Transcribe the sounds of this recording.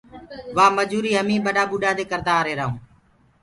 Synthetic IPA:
ʋaːməd͡ʒuːɾiːɦəmĩːɓəɖaːɓuːɖaːd̪eːkəɾd̪aːɾeːɾəɦũː

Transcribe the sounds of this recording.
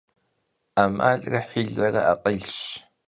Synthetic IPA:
aːmʔa̰ːɮʼrɐħiːɮɐrɐ̰ʔaqəɮʃ

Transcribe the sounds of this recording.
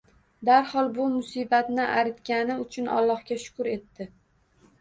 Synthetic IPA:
d̪aɾhɒlˠbʊmʊsibat̪nɪʔa̰ɾɪt̪kʲanɪʊt͡ʃʰʊnʔɒ̰lˠːɒhkʲaʃʊ̥kʊɾe̞t̪ːɪ

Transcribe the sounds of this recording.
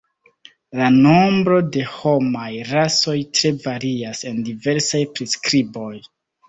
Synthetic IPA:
lano̞mbɾo̞de̞ho̞majɾaso̞jtɾe̞vaɾiase̞ndive̞ɾsajpɾiskɾibo̞j

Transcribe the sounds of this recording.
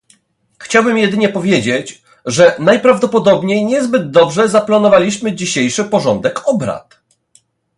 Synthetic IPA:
xt͡ɕawbɘmjɛd̪ɘɲɛpɔvʲjed͡ʑet͡ɕ | ʐɛnajpɾavd̪ɔpɔd̪ɔbɲejɲɛzbɘd̪ːɔbʐɛzaplanɔvalʲiɕmɘd͡ʑiɕejʂɘpɔʐɔnd̪ɛkɔbɾa̰t̪

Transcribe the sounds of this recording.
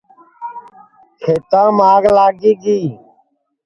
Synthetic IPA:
kʰeːt̪ãːmaːɡlaːɡiːɡiː

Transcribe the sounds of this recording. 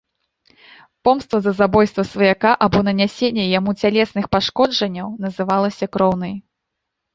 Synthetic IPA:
pɔmst̪vɐzɐzabɔjst̪vɐsvɐjakaʔabɔnɐnʲasʲenʲːɛjamut͡sʲalʲɛsnɨxpaʂkɔd͡ʐɐnʲːɐwnɐzɨvalˠɐsʲɐkɾɔwnɐj

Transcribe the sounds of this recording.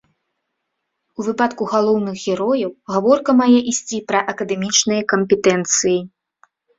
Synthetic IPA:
uvɨpat̪kuɣalˠɔwnɨxɣʲɛɾɔjɐwɣavɔrkɐmajɛʔisʲt͡sʲipɾɐʔɐkɐd̪ɛmʲit͡ʂnɨjɐkɐmʲpʲɛt̪ɛnt̪sɨji

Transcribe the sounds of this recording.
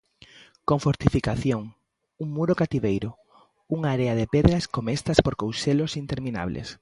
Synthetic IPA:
koɱfoɾt̪ifikaθjoŋ | uŋmuɾokat̪iβejɾʊ | uŋaːɾeaðepeðɾɐskomest̪ɐspoɾkowselosint̪eɾmina̰βlʔḛs

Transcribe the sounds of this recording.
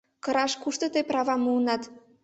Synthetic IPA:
kɤ̆ɾɑʃkuʃt̪ɤ̆t̪ɤjpɾɑβɑmuːnɑt̪

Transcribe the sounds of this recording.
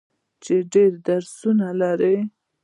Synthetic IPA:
t͡ʃeɖeɾd̪aɾsunalaɾe

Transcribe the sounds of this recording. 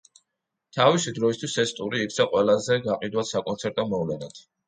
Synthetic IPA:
t̪ʰavisid̪ɾɔist̪ʰwisɛst̪ʼuɾiːk̚ʰt̪sʰaqʼwɛlˠazɛɡaqʼid̪wat̪sakʼɔnsʰɛɾt̪ʼɔmɔvlɛnad̪̥

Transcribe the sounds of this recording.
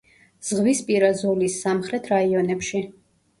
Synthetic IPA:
z̥ʁvispʼiɾazɔlisːamχɾɛt̪ʰɾaiɔnɛpʃi

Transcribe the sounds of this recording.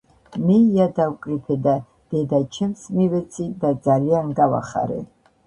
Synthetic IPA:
mijad̪awkʼripʰɛd̪a | d̪̥ɛd̪at͡ʃʰɛmsmivɛt͡sʰid̪ad͡zalianɡawa̰χa̰ɾɛ̰

